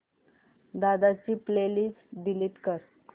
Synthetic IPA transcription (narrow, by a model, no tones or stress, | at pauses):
d̪ad̪at͡ɕiːplelisɖiliːt̪kəɾ